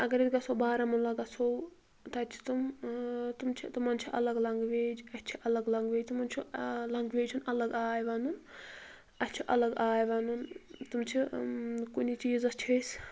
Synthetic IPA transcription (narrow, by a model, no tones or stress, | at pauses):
ɐɡɐɾit̪ʲɡɐsoːbaːɾɐmunlɐɡɐsʰow | t̪ɐt͡ʃʰi̥t̪umt̪umt͡ʃʰit̪ɐmɐnt͡ʃʰiʔɐlɐɡlɐŋɡʋeːd͡ʒɐt̪ʲt͡ʃʰiʔɐlɐɡlɐŋɡʋeːd͡ʒt̪umɐnt͡ʃʰulɐŋɡʋeːd͡ʒt͡ʃʰunɐlɐɡaːjʋɐnun | ɐtʲt͡ʃʰiʔɐlɐɡaːjʋɐnunt̪umt͡ʃʰikunit͡ʃiːzɐst͡ʃʰis